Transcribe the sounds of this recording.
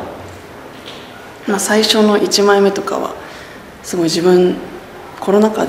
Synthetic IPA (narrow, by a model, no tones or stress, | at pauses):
masaiɕo̞no̞ʔit͡ɕimaime̞t̪o̞ka̰βa̰ | sɨɡo̞iʑibɯ̟̃ɴ | kʰo̞ɾo̞naka̰d̪